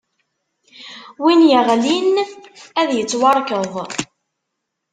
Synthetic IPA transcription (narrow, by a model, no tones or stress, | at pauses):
winjəʁlinæðjət͡sːwɑɾˤkəðˤ